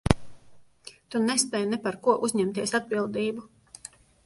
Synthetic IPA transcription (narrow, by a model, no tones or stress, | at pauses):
t̪unɛspɛjnɛpaɾkuɔʔuzʲɲɛmt̪iɛsad̪̚bilˠd̪iːbu